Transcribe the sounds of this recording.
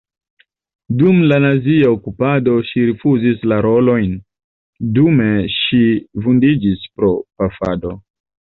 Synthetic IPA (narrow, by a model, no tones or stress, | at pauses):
dumlanaziaokupado̞ʃiɾifuzislaɾo̞lo̞jn | dume̞ʃivundid͡ʒispɾo̞pafa̰do